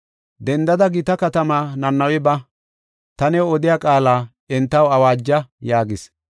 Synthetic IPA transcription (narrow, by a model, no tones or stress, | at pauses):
d̪ɛnd̪ɐd̪ɐɡɪt̪ɐkɐt̪ɐmaːnɐnːɐwɪbɐ | t̪ɐnɛwɔd̪ɪjakʼaːlaː | ɪnt̪ːɐwɐwaːd͡ʒːɐjaːɡɪs